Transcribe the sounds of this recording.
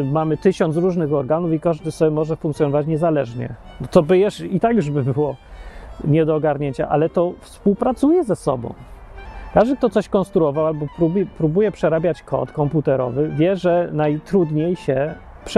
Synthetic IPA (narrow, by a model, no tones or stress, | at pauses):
mamɘt̪ɘɕɔnsɾuʐnɘɣɔɾɡanufikaʐd̪ɘsɔbʲɛmɔʐɛfuŋkt̪sjɔnɔvat͡ɕɲɛzalɛʐɲɛ̰ | d̪ɔt̪ɔbɘjɛʂit̪akjuʐbɘbɘwɔ | ɲɛd̪ɔːɡaɾɲeɲt͡ɕa̰ʔa̰lɛt̪ɔfspuwpɾat̪sujɛzɛsɔ̰bɔ̰̃w̃ | kaʐd̪ɘk̚t̪ɔt̪sɔɕkɔ̃nst̪ɾuɔvawalbɔpɾubjɛpɾubujɛpʂɛɾabʲjat͡ɕkʰɔ̰t̪kɔmput̪ɛɾɔ̰vɘvʲjɛʐɛnajt̪ɾud̪ɲejɕɛ | pʂ